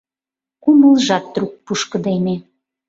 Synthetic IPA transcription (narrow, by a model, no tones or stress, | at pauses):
kuməlʒɑt̪̚ːruk̚puʃkə̆d̪ene